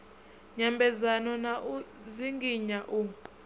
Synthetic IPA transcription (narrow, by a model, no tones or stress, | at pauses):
ɲambʱɛzanɔnaʔu | ziŋɡiɲaʔu